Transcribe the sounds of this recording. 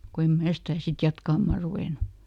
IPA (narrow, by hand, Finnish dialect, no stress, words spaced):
ko em mæː stæː sit jɑtkɑmːɑˑ ruʋeˑnu